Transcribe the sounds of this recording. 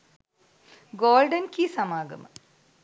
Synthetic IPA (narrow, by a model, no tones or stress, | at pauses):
ɡoːlɖɐnkisɐmaːɡɐ̰mɨ̰